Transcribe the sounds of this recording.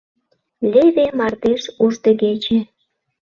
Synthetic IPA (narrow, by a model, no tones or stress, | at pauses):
lʲeβemɑrd̪eʃuʒd̪ə̆ɣet͡ɕe